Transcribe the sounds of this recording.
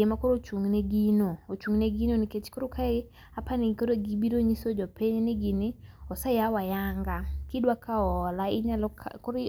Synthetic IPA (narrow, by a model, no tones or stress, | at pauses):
emakoɾot͡ʃuŋneɡinoot͡ʃuŋneɡinoniket͡ʃkoɾokʰae | apanikoɾoɡibiɾoɲisod͡ʒɔpeɲenɪɡinɪɔsajawajaŋɡakidwakʰaɔlaɪɲalɔkkoɾ